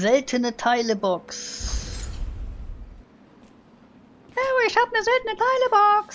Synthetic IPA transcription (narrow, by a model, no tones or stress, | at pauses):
zɛtʰənətʰaɪləbɔks | ɛwiʃapnəzɛtnətʰaɪləbɔks